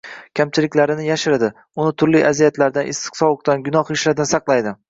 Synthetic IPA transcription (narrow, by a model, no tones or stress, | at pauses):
kʲʰamt͡ʃʰɪlɪkʲlaɾɪnɪjaʃɪɾɪd̪ɪ | ʊnɪt̪ʰʊɾlijʔazijat̪ʰlaɾd̪anʔɪ̰st̪ɪ̥qsɒwɨq̚t̪anɡʊnɒχɪʃlad̪ɪnsɑqlˠajd̪ɪ